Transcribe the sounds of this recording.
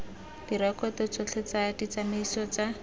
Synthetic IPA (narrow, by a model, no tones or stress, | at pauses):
d̥irɛkʼɔtɔt͡sɔt͡ɬʰɛt͡sadit͡sameisɔt͡sa